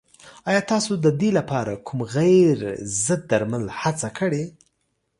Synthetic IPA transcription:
ɑjɑt̪ɑsod̪əd̪elapɑɾa̰kʰumɣajɾzəd̪̚ːaɾmalhat͡sakəɽe

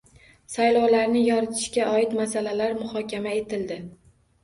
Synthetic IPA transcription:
sajlˠɒwlaɾnɪjɒɾɪt̪ʰɪ̥ʃkʲaʔɒɪt̪masalalaɾmʊhɒkʲamae̞t̪ʰɪld̪ɪ

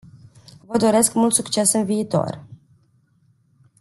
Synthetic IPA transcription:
vəd̪o̞ɾe̞skmult̪sukt͡ʃe̞sɨnviːt̪o̞̰r

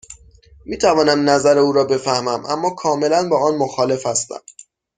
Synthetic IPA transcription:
miːt̪ʰævɒːnæmnæzæɾeuːɾɒːbe̞fæhmæmʔæ̰mːɒːkʰɒːme̞lænbɒːɒːnmoxɒːle̞fhæst̪æ̰m

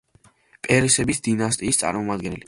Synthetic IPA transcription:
pʼɛɾɛsɛbisd̪inast̪ʼiːst̪sʼa̰ɾmɔmad̪ɡɛnɛli

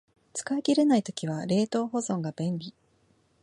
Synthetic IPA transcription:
t͡sɨ̥kaeɡʲiɾe̞nait̪o̞kʲiβ̞aɾe̞ːt̪o̞ːɦo̞zõ̞ŋɡab̥ẽ̞nɾʲi

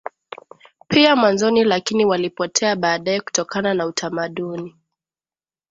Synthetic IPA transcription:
piamwanzɔnilakiniwalipɔtʰɛaɓaːɗaɛku̥tɔkananautʰamaɗuni

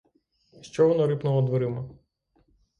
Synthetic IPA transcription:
ʃt͡ʃɔʋɔnɔɾɪpnɔlɔd̪ʋɔɾɪmɐ

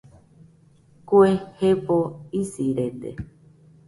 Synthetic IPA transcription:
kuehepoisiɾend̪ḛ

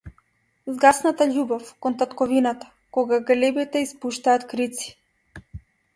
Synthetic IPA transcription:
zɡasnat̪aʎubɔfkɔnt̪at̪kɔvinat̪ḁ | kɔɡaɡlɛbit̪ɛispuʃt̪aːt̪kɾit̪si̥

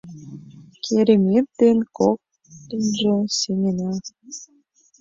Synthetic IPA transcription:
kʰeɾʲemetd̪enkok̚ | t̪ə̆nʒĕsenʲenɑ

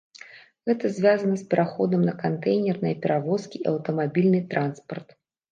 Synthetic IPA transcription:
ɣɛt̪ɐzʲvʲazɐnɐspʲɛɾʔaxɔd̪ɐmnɐkant̪ɛjnʲɛrnɐjɐpʲɛɾʔavɔskʲiɐwt̪ɐmabʲilʲnɨt̪ɾʔanspɐrt̪

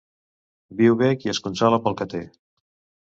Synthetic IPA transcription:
biwβekiəskunsaləpəlˠkət̪e

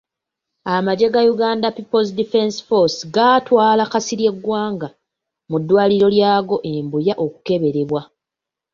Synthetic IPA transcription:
amaɟe̞ɡajuɡaːndapipozdife̞nsi̥fo̞sɡaːtwaːlakasiɾje̞ɡːwaːŋɡa | mudːwaːliɾo̞ljaːɡo̞ʔe̞mbujaʔo̞ku̥ke̞βe̞ɾe̞βwa

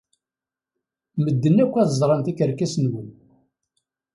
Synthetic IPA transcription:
məd̪ːənːækʷːæðzˤɾˤɑnt̪ækəɾkæsnwun

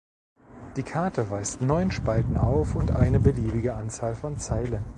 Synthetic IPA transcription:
d̥iːkʰaɐtəvaɪstnɔʏnʃpaltn̩ʔa̰ʊfʊntʔaɪnəbəliːbɪɡəʔant͡saːlfɔnt͡saɪlən

